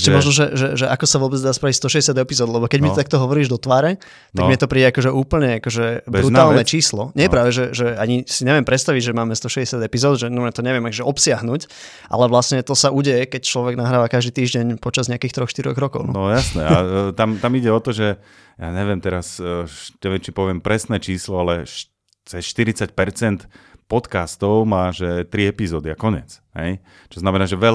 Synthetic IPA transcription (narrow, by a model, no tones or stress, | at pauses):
ɛʃcɛmɔʒnɔʒɛʒɛʒɛʔakɔsaʋʊɔbɛd͡zd̪aːspɾaʋicst̪ɔʃɛɟɛsɪad̪ɛpizɔːd̪lɛbɔkɛɟmit̪t̪ak̚t̪ɔɦɔʋɔɾiːʒd̪ɔt̪ʋaːɾɛ | tt̪aɡɡmɪɲɛt̪ɔpɾiːɟɛakɔʒɛʔuːpl̩ɲɛakɔʒɛbbɾut̪aːlnɛt͡ʃiːslɔɲɛjɛpɾaːʋɛʒɛʒɛaɲisiɲɛʋɪɛmpɾɛt̪st̪aʋiɟʒɛmaːmɛst̪ɔʃɛɛsjad̪ɛpizɔːd̪ʒɛnɔmɲɛt̪ɔɲɛʋɪɛmakɔʒɛɔpsɪaɦnuc | ʔa̰lɛʋlasɲɛt̪ɔsauɟɛjɛkɛc̚t͡ʃlɔʋɛɡnaɦɾaːʋakaʒd̪iːt̪iːʒɟɛɲpɔt͡ʃazɲɛakiːxt̪ɾɔxʃt̪iɾɔ̰ɣɾɔkɔʊnɔ̰nɔjasnɛat̪amt̪amiɟɛɔt̪ɔʒɛ | jaːɲɛʋɪɛmt̪ɛɾasɲɛʋɪjɛmt͡ʃipɔʋɪɛmpɾɛsnɛːt͡ʃiːslɔalɛʃ | t͡sɛsʃt̪iɾit͡sac̚pɛɾt͡sɛnt̪pɔt̪kast̪ɔʊmaːʒɛt̪ɾiɛpizɔːd̪iakɔɲɛ̰t͡sɦɛ̰j | t͡ʃɔznamɛnaːʒɛʋɛl